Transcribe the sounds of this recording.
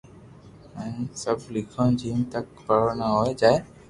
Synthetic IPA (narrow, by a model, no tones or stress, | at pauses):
ə̃ĩsəblɪkʰõːd͡ʒiːnt̪əkpəɽnaɦoːed͡ʒaːɦe